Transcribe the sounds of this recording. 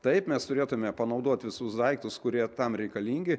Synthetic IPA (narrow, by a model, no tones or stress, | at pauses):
t̪ɐɪpmʲɛst̪ʊɾʲeːt̪ʊmʲɛpɐnɐʊd̪oɔt̪ʲʋʲɪsʊsd̪ɐɪk̚t̪ʊskʊɾʲiɛt̪ɐmɾʲɛɪkɐlʲiːŋʲɡʲɪ